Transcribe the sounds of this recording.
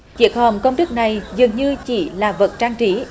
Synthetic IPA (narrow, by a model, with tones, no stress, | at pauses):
t͡ɕi˨˦ək̚hə˨˩mkə˧wŋ͡mɗɨ˦˥k̚na˨˩jzɨ˨˩əŋɲɨ˧t͡ɕḭ˧˩˦laː˨˩və˨˩t̚t͡ɕaː˧ŋt͡ɕi˨˦